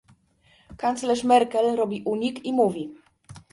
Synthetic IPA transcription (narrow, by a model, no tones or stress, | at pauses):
kant̪slɛʂmɛɾkɛlɾɔbʲiʔuɲikimuvʲi